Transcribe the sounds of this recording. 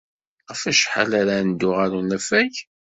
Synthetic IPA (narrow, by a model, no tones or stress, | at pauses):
ʁəfæʃħa̰laɾand̪ʊʁaɾunæfæç